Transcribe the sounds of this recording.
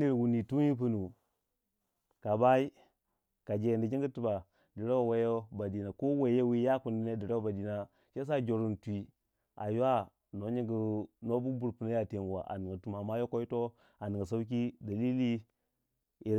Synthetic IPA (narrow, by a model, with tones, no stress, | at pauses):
i˦ɾwu˨ni˨tu˦ni˦p̬u˦nu˨ | ka˨ba˦i˦ | ka˨d͡ʒe˨ndi˨d͡ʒi˦ŋɡi˦tu˨ba˨ | di˨ɾa˦wwe˦jo˦ba˨di˨na˨ko˦we˨je˦wi˦ja˦ku˨ndi˦na˦di˨ɾa˦wo˦ba˨di˨na˨ | ʃe˦s̬a˦d͡ʒo˨ɾu˨ntʷi˨ | a̰˨ja˦ | no˨˦ɲi˨ŋɡu˨no˦bu˦bu˨ɾpu˨na˦ja˨te˨nwa̰˨ʔa̰˨ni˨ŋɡa˨tu˨ma˨ma˦jo˦ko˦i˦to˦ | a˨ni˨ŋɡa˨s̬a˦u˦k̬i˦da˨li˦li˦ | i˨